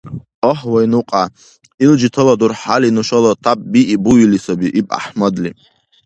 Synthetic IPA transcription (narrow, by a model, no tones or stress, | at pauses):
oħwajnuqʼa | ild͡ʒitʰɨladurħalinuʃalatʰapʼbiʔibuɥilisabiʔipʼa̰ħmad̪li